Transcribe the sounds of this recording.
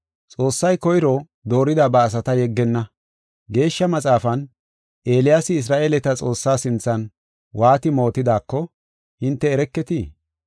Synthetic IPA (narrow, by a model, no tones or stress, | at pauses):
t͡sʼo̞ːsːɐjkɔjɪɾɔ | d̪o̞ːɾɪd̪abɐːs̬ɐt̪ɐjɛɡːɛnːɐ | ɡe̞ːʃːɐmɐt͡sʼaːfɐn | ʔeːlɪjasɪɪs̬ɾaːʔe̞ːlɛt̪ɐt͡sʼo̞ːsːaːsɪnt͡sːɐn | waːt̪ɪmo̞ːt̪ɪd̪aːkːɔ | hɪnt̪ːɛːɾɛkːɛt̪iː